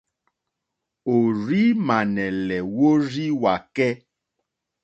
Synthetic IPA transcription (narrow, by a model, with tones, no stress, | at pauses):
o˨ɾi˦mã˨nɛ˨lɛ˨wo˦ɾi˦wa˨kɛ˦